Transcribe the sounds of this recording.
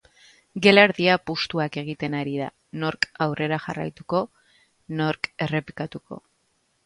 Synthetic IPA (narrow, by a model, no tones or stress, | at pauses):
ɡe̞leɾðiapust̪uake̞ɣ̞it̪e̞naɾiða̰ | no̞ɾkawre̞ɾaxa̰ra̰jt̪uko̞ | no̞ɾke̞re̞pi̥kat̪uko̞̰